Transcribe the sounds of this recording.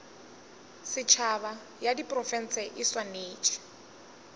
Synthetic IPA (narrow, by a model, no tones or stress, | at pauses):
sɪt͡ʃʰaβa | jadipʼrɔfɛn̩sɛʔɪswaneːt͡ʃʼʰɛ̥